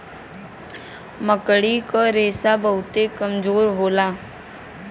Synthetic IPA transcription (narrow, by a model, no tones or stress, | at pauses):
məkəɽikaɾeːsabəɦʊt̪ekəmd͡ʒoːɾɦoːlaː